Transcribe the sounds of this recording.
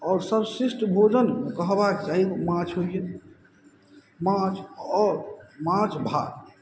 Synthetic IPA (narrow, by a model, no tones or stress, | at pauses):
ɔːɾsəbsisʈbʱod͡ʒənkəɦbakd͡ʒaiomãt͡ʃʰɦoie | mãt͡ʃɔɾmãt͡ʃʰbʱa̰